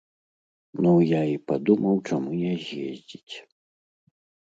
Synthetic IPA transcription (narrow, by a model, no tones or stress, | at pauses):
nujaipad̪umɐwt͡ʂamujazʲjḛzʲd͡zʲit͡sʲ